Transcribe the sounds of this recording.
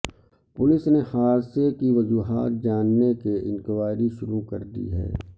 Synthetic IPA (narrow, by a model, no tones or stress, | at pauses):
pʊlɪsnehaːɾsekiʋɐd͡ʒuːɦaːt̪̚d͡ʒaːnːekeʔɪ̰nkɪʋaːɾiʃʊɾukɐ̰ɾd̪ḭɦɛ̰ː